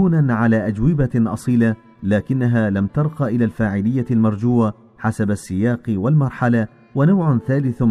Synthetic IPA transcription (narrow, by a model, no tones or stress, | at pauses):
uːnanʕalaːʔad͡ʒwɪbaʔɑ̰sˤiːla | laːkɪnːaɦaːlamt̪ɑɾˤqɑʔɪlaːlfaːʕɪlɪjːalmɑɾˤd͡ʒuːa | ħasabasːɪjaːqwalmɑɾˤħala | wanawʕʊnθaːlɪθ